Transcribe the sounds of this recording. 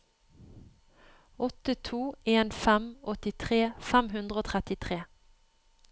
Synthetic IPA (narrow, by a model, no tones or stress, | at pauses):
ɔt̪ət̪ʰuːeːnfɛmɔt̪ɪt̪ʰʁeːfɛmhʉnd̪ʁəoːt̪ʰʁɛt̪ɪt̪ʰʁeː